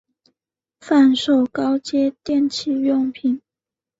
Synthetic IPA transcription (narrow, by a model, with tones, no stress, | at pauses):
fa˥˧nʂo˥˨˩ʊkɑ˦ʊt͡ɕjɛ˥t̪jɛ˥˨nt͡ɕʰi˥˧ɥʊ˥˧ŋpʰi˨˩n